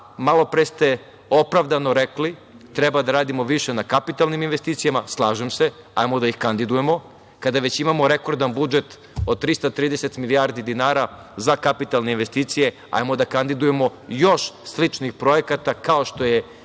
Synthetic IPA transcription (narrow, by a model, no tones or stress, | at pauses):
malo̞pɾest̪e̞ | o̞pɾaʋd̪anoɾekli | t̪ɾebad̪aɾaːd̪imo̞ʋiʃe̞nakapit̪alniminʋest̪iːt̪sijamaslˠaːʒemse̞ | a̰jmod̪aixkand̪id̪ujemo̞ | kad̪aʋet͡ɕimamo̞ɾekoɾd̪anbud͡ʒe̞t̪ | od̪̚t̪ɾist̪at̪ɾiːd̪eset̪milijaɾd̪id̪inaːɾa | zakapit̪alˠne̞inʋest̪iːt̪sije̞ | a̰jmod̪akand̪id̪uje̞mo̞jo̞ʃslit͡ʃnixpɾojekat̪akaoʃt̪o̞je